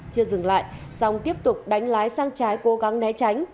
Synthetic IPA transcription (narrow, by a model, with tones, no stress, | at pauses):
t͡ɕɨ˧əzɨ˨˧˩ŋla̰ː˧˨j | sɔ˧wŋ͡mt̪i˦˥əp̚t̪ʊ˨˩k͡p̚ɗa˨˦jŋ̟laː˨˦jsaː˧ŋt͡ɕaː˨˦jko˨˦ɣa˨˦ŋnɛ˨˦t͡ɕa˨˦jŋ̟